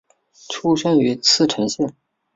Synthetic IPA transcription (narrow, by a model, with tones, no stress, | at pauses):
ʈ͡ʂʰu˥ʂə˥ny˧˥t͡sʰɹ̩˥˩ʈ͡ʂʰɤ˧˥ŋɕjɛ˥˩n